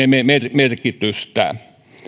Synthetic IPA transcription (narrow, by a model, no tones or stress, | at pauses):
ememermerkit̪yst̪æ̰